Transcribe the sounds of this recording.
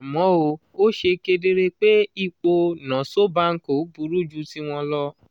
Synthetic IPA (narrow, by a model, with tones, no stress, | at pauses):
mɔ̃˨˦o˧ | o˦ʃe˧ke˧de˧ɾe˧k͡pe˦i˦˨k͡po˧nã˨so˦ba˦ŋ̩˦ko˨˦bu˧˦ɾu˦d͡ʒu˦ti˦w̃ɔ̃˧lɔ˦